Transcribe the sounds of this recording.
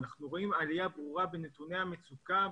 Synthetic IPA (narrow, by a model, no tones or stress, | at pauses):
naχnuʁo̞imalijabʁuʁabenet̪unehamet͡suka